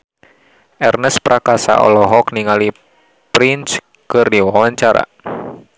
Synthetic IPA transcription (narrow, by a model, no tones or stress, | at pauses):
ʔɛrnəspɾʔakasa̰ʔɔ̰lɔɦɔkniŋali | pɾint͡ʃ | kɨrdiwawaɲt͡ʃaɾa̰